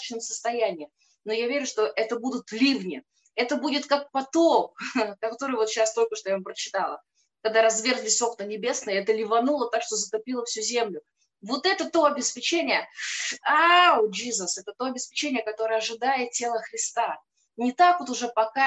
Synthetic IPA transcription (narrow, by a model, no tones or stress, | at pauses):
t͡ɕnəmsə̥st̪ɐjænʲɪɪ | no̞javʲeɾʲʊʂt̪o̞ʔɛt̪əbud̪ʊt̪lʲivnʲɪ | ɛt̪əbudʲɪt̪kak̚pɐt̪ok̚kɐt̪o̞ɾɨjvo̞t̪ɕast̪o̞lʲkəʂt̪ojavmpɾət͡ɕɪ̥t̪alˠə | kɐɡ̚d̪aɾɐzvʲe̞rt̪vʲɪso̞knənʲɪbʲe̞snəjəɛt̪əlʲɪvɐnulˠət̪akʂt̪o̞zət̪ɐpʲilˠəfsʲuzʲemlʲʊ | vo̞t̪ɛt̪ət̪o̞ɐbʲɪspʲɪt͡ɕenʲɪjə | ad͡ʒizəsɛt̪ət̪o̞ɐbʲɪspʲɪt͡ɕenʲɪjəkɐt̪o̞ɾəjəɐʐɨd̪ajɪt̪̚tʲːe̞lˠəxɾʲɪst̪a | nʲɪt̪akvot̪ʊʐɛpɐka